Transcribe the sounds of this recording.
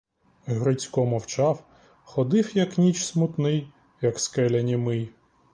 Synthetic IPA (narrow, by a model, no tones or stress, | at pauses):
ɦɾɪt͡sʲkɔmɔwt͡ʃɑw | xɔd̪ɪwjɐknʲit͡ʃsmʊt̪nɪj | jɐkskɛlʲɐnʲimɪj